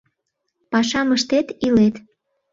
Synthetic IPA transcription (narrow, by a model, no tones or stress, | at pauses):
pɑʃɑməʃt̪et̪ilet̪